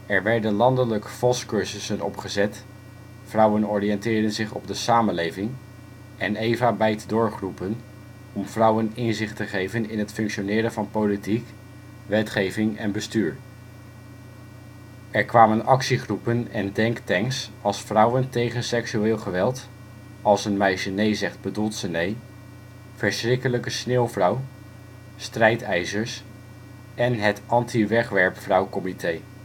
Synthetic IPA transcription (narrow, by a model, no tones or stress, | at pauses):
ɛɹʋɛɹdənlɑndələkəfɔlskɵɹzəsənɔpχəzɛt | frʌwənɔɹijɛntɪːɹdənzɪχɔ̰b̚dəsaːmənlejvɪŋ | ʔɛnejvaːbɛjtdʊːɹχrupən | ɔmv̥rʌwənɪnzɪχtəχejvənɪnɦətfɵŋkʃonɪːɾənvɑnpowlitik | ʋɛtχejvɪŋɛ̰nbəstyːɹ | ɛɹkʋaːmənɑksiχrupənɛndɛŋktɛŋsɑlˠsfrʌwəntejχənsɛksyɪːlˠχəʋɛlˠt | ɑlˠsənmɛjʃənejzɛχd̚bədulˠtsənej | v̥əɹsχrɪkələkəsneːwˠvrʌw | strɛjtɛjzəɹs | ɛnɦətʔɑntiʋɛχʋɛɹpfrʌwkɔmitej